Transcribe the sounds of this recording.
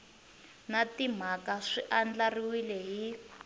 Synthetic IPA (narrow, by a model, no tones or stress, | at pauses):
natim̤akaʂiʔand͡ɮariwilɛɦi